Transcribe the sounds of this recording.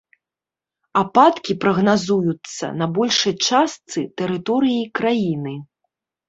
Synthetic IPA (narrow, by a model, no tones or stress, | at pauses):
apat̪kʲipɾɐɣnazujut̪sːɐ̰nɐbɔlʲʂɐjt͡ʂast̪sɨt̪ɛɾɨt̪ɔɾɨjikɾajinɨ